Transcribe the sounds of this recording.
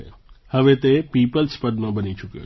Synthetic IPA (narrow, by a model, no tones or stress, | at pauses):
ḛhəʋet̪epipəlspəd̪mãbənit͡ʃukjo̰